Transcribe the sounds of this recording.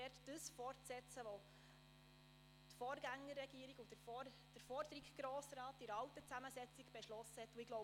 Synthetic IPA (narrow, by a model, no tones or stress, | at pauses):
ɛrtd̥əsfɔrtsɛt͡səʋo | t̪fɔːrɡæŋːərːɛɡ̥iːəɾiɡud̥əfɔ | d̥əɾfɔrdəɾikɡ̥ɾoːsrɑːtːɪɾɑwtət͡sæməsɛt͡siɡb̥ɛʃlɔsəhɛt̪ːuɪɡ̥lɔ